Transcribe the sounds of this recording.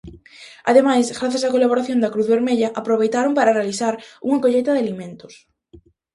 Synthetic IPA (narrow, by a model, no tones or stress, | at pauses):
a̰ðemajsɣɾaθjasakolaβoɾaθjond̪akɾuðβeɾmeʎaʔapɾoβ̞ejt̪aɾompaɾarealiθaɾuŋakoʎejt̪aðealimẽnt̪o̥s